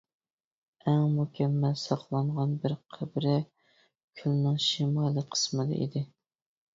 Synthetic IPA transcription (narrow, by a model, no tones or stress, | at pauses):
ɛŋmukʲʰɛmːɛlsɑqlˠɑɴʁɑnbɪɾqʰəbɾɪ | kʲʰylnɨŋʃimɑlˠɨqʰə̥smɨd̪ɨ̰ʔḭd̪ɪ